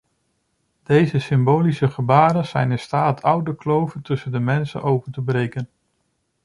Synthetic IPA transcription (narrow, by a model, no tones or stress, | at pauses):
d̥ejzəsɪmboːlisəχəbaːɾənsɛjnɪnstaːtʰʌwdəklowvəntɵsəndəmɛnsə̰nʔowpəntəbrejkən